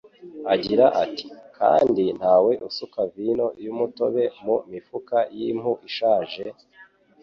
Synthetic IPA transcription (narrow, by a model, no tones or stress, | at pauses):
aɟiɾaʔati̥kʰa̰ːndin̥haːwe̞ʔusukavino̞jumuto̞βe̞mumifukajim̥huʔiʃaːʒe